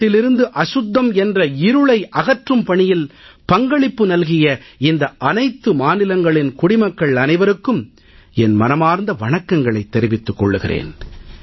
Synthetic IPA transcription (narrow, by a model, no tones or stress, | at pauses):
ɪlɪɾɯnd̪ɯʔɐʂʊd̪ːɐmɛndrɐɪɾɯɭɐɪʔɐɣɐʈrɯmpɐɳɪjɪlpɐŋɡɐɭɪpːɯnɐlɣɪjɐɪnd̪ɐʔɐnɐɪt̪ːɯmaːnɪlɐŋɡɐɭɪnkʊɽɪmɐkːɐɭɐnɐɪʋɐɾɯkːɯm | ɛnmɐnɐmaːɾnd̪ɐʋɐɳɐkːɐŋɡɐɭɐɪt̪ːɛɾɪʋɪt̪ːɯkːɔɭːɯɣɪ̰rḛːn